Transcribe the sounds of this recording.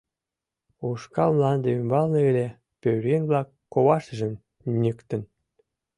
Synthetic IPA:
uʃkɑlmlˠɑnd̪eymbɑlˠnɤ̆elʲe | pʲøwɾʲenʲblˠɑkːowɑʃʒɘ̆m | nʲɘkt̪ɘ̆n

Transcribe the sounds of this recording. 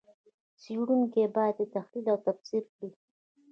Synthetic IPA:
t͡siɽuŋkebɑjad̪et̪axlilawt̪absiɾkɽi

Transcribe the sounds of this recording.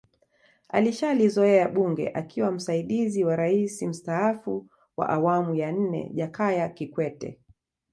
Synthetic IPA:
a̰liʃalizɔɛaɓuŋɡɛ̰ʔakʰiwam̩saiɗiziwaɾaisim̩staafu | wa̰ʔawamujan̩nɛ̰ʄakajakikwɛtɛ̰

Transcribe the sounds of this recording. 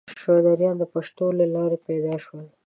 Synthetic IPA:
ʃad̪aɾjɑnd̪əpaʃt̪olelɑɾepɛd̪ɑʃwəl

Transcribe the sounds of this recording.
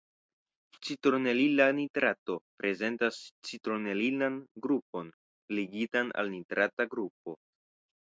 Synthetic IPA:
t͡sitɾone̞lilanitɾato̞pɾʔe̞ze̞ntast͡sitɾone̞lilanɡɾup̚o̞n | liɡitana̰lnitɾataɡɾup̚o̞

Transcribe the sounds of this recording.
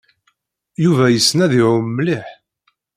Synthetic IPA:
juvæjəsːnæðiʕʊmːliħ

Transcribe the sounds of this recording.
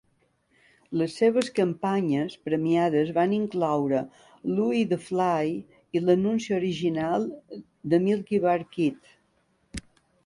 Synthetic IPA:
ləsːeβəskəmpaɲəspɾəmiað̞əzβaniŋklawɾə | luiðəflaj | ilənunsiəoɾiʒinalˠ | d̪əmilˠkiβaɾkit̪

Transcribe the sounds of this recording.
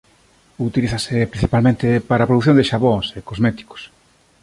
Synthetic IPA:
ut̪iliθasepɾĩnθipalmẽnt̪epaɾapɾoðuθ̬jõnd̪eʃaβosekozmɛt̪i̥ko̥s

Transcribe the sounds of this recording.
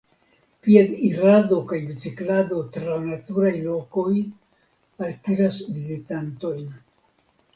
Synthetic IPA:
pied̪iɾado̞kajbit͡siklad̪o̞t̪ɾanat̪uɾajlo̞ko̞j | altiɾasvizitanto̞jn

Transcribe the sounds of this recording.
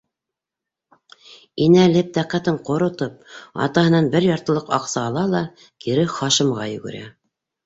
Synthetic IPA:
inælɘp̚t̪æqæt̪ɘɴqŏɾŏt̪ɤp̚ɑ̰t̪ɑɦɤ̆nɑnbɘɾjɑɾt̪ɤ̆lˠɤqɑ̰qsɑːlˠɑlˠɑ | kiɾɘχɑʃɤ̆mʁɑjɵ̆ɡɵ̰̆ɾæ̰

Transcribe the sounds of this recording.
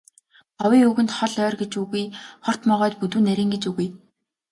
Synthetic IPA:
ɔwiːuɣɘ̆nt̪χɔɮœːrɡet͡ɕuɣujχɔr̥t̪mɔʁœːt̪put̪uːnæɾʲiːŋɡet͡ɕuɣuj

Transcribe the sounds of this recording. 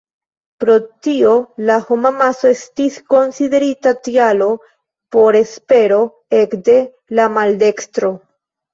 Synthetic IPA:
pɾo̞tio̞laho̞mamaso̞e̞stisko̞nside̞ɾitatialo̞ | po̞ɾe̞spe̞ɾo̞ | e̞kde̞ | lamalde̞kstɾo̞

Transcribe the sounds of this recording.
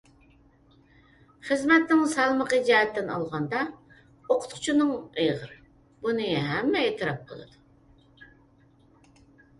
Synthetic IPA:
χəzmɛt̪̚nɪŋsɑlˠməqəd͡ʒɛɦɛt̪ːɪnɑ̰lˠʁɑnd̪ɑ | oqʰʊ̥t̪qʰʊ̥t͡ʃʰunɨŋeʁəɾ | bunɨɦɛmːɛet̪ʰɨɾɑp̚qʰə̰lˠɨ̰d̪̥u

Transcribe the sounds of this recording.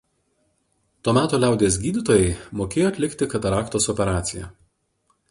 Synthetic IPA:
t̪oːmʲæːt̪oːlʲæˑʊd̪ʲeːs̬ɡʲiːd̪ʲɪt̪oːjɛɪmoːkʲeːjoːɐt̪ʲlʲɪkt̪ʲɪkɐt̪ɐɾɑːkt̪oːsɔpʲɛɾɑːt̪sʲɪjɛ̰

